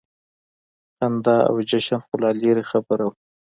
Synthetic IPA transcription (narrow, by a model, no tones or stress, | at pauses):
hand̪ɑa̰wd͡ʒaʃanxʊlɑleɾexabəɾaw